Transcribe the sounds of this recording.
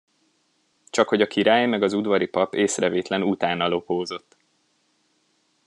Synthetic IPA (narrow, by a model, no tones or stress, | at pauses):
t͡ʃɒkho̞ɟɒkiɾaːjmɛɡɒzud̪vɒɾipɒpeːsrɛveːt̪lɛnut̪aːnːɒlo̞poːzo̞t̪ː